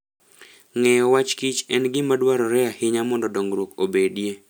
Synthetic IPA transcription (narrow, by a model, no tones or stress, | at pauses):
ŋɛjɔwat͡ʃkit͡ʃɛnɡɪmadwaɾɔɾɛahɪɲamɔndɔdɔŋɡɾwokobedje